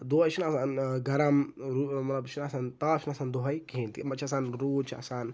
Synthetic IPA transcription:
d̪oəjt͡ʃʰinaːsaːnɡɐɾamɾumɐt̪lɐbt͡ʃʰinasaːnt̪aːt͡ʃʰnasaːnd̪oɦɐjkiːnt̪imɐt͡ʃʰɐsaːnɾuːt͡ʃʰa̰saːn

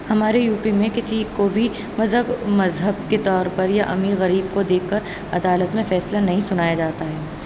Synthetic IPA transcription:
hɐmaːɾejuːpimẽkɪsikobʱi | mɐzɦəbmɐzɦəb̚ket̪ɔːɾpɐɾjaʔɐmiːɾɣɐɾiːbkod̪eːkʰːɐɾ | ɐd̪aːlət̪mẽfɛːslanɐɦĩsʊnaːjad͡ʒaːt̪aɦɛː

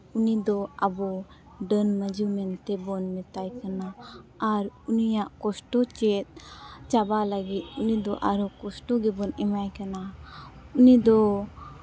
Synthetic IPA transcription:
unid̪ɔabɔ | ɖənməd͡ʒumɛnt̪ɛbɔnmɛt̪ajkanaː | ɾunijaʔkɔsʈɔt͡ʃɛt̪̚t͡ʃabaləɡit̪̚unid̪ɔʔaɾukɔsʈɔɡɛbɔnɛmajkana | unid̪ɔ

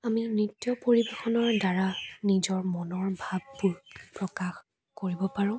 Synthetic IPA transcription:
aminitːjɔpoɹibexɔnɔɹdaɹanizɔɹmɔnɔɹbʱab̚ːuɹpɹɔkax | koɹibɔpaɹʊ̃

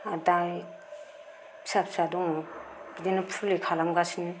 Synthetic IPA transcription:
adaj | bsapsadɔŋɡidenɯpʰulekʰalamɡasinɯ

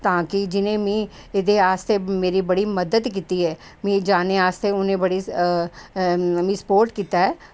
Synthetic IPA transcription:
t̪ãːkid͡ʒɪnẽmĩː | ɪd̪eaːst̪emeːɾibɐɽimɐd̪əd̪kiːt̪iɦɛː | mĩːd͡ʒaːneaːst̪eʊnẽbɐɽi | mĩːspoːɾʈkiːt̪aɦɛː

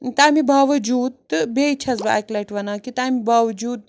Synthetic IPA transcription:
t̪amibʱɐʋd͡ʒuːt̪bʱeit͡ʃʰɐt͡sba̰jklɐʈʋɐnakit̪amibʱɐʋd͡ʒuːt̪̚

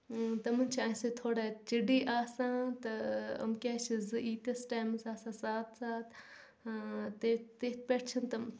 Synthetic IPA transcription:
t̪ɐmɐnʲt͡ʃʰiãːset̪ʰoːɽat͡ʃiɖiːʔaːsãːt̪ɐɐ̰mkʲaːʃizɨʔiːt̪ɐsʈaːmsaːsãːsaːt̪ʰsaːt̪ʰ | t̪et̪et̪̚ʰpʲeʈʰt͡ʃʰɐnt̪ɐ

